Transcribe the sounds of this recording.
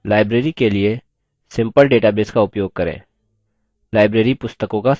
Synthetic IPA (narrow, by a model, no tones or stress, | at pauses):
laːɪbɾeːɾikelie | sɪ̃mpəlɖeːʈabeːskaʊpjoːɡ̚kəɾḛ̃ː | laːɪbɾeːɾipʊst̪əkõka